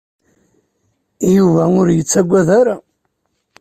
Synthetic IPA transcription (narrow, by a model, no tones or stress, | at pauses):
juvæʊɾjət͡sːæɡʷːæðaɾa